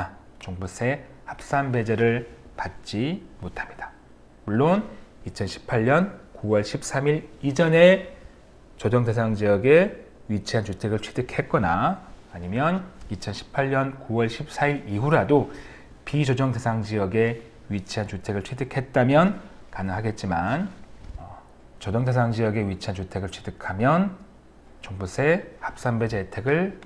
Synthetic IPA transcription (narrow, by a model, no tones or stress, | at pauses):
a | t͡ɕoŋbus͈ʰe̞ | hap̚s͈anbe̞d͡ʑeɾɯɭpat̚t͡ɕ͈imotʰamɲidḁ | muɭːonit͡ɕʰʌnɕʰi̥pʰaʎɲʌnkuwʌɭɕʰip̚s͈amiɾid͡ʑʌne̞ | t͡ɕod͡ʑʌŋde̞sʰaŋd͡ʑijʌɡe̞ | ɥit͡ɕʰiɦant͡ɕutʰe̞ɡɯɭt͡ɕʰedɯkʰe̞t̚k͈ʌnaːɲimjʌnit͡ɕʰʌnɕʰi̥pʰaʎɲʌnkuwʌɭɕʰip̚s͈aiɾiɦuɾado | pid͡ʑʌd͡ʑʌŋde̞sʰaŋd͡ʑiʌɡe̞ | ɥit͡ɕʰiɦant͡ɕutʰe̞ɡɯɭt͡ɕʰedɯkʰe̞t̚t͈amjʌnkanɯŋɦaɡe̞t̚t͡ɕ͈imanʌ | t͡ɕʌd͡ʑʌŋde̞s̬ʰaŋd͡ʑijʌɡe̞ɥit͡ɕʰiɦant͡ɕutʰe̞ɡɯɭt͡ɕʰedɯkʰamjʌn | t͡ɕoŋbusʰe̞hap̚s͈ambe̞d͡ʑetʰe̞ɡɯɭ